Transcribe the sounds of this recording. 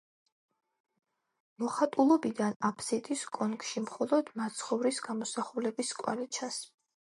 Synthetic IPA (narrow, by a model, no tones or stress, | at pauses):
mɔχat̪ʼulˠɔbid̪anapʰsit̪ʼiskʼɔnkʼʃimχɔlˠɔd̪̥mat̪sʰχɔvɾisɡamɔsaχulɛbiskʼwa̰lit͡ʃʰas